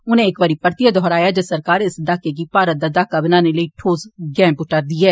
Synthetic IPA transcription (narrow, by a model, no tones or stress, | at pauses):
ʊn̤ẽːkʋɐɾipəɾt̪ijad̪ɔɦɾaːjad͡ʒɐsɐɾkaːɾɪsd̪akeɡipaːɾəd̪ad̪akɐbnanelɐiʈʰoːzɡɛ̃ːmbʊʈəɾd̪iɛː